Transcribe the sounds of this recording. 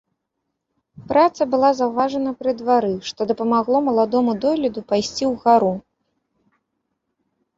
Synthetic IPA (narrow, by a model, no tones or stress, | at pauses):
pɾat̪sɐbɨlˠazɐwvaʐɐnɐpɾɨd̪vaɾɨʂt̪ɔd̪ɐpɐmaɣlˠɔmɐlˠad̪ɔmud̪ɔlʲɛd̪upajsʲt͡sʲiwɣaɾu